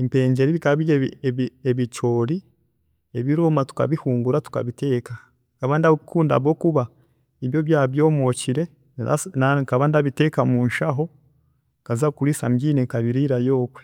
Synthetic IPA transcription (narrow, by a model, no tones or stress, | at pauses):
empe̞ːɲɟe̞ɾiβikaβijeeβit͡ʃo̞ːɾi | e̞βiɾomatu̥ka̰βihuːŋɡuɾatu̥ka̰βite̞ːka | kaβandaikuːnda̰βo̞kuβa | iβjo̞βjaːβjo̞ːmo̞ciɾe̞ | a̰nakaβandaβite̞ːkamuːnʃaɦo̞ | kazakuɾisa̰mɟiːnekaβiɾiɾajo̞ːkwe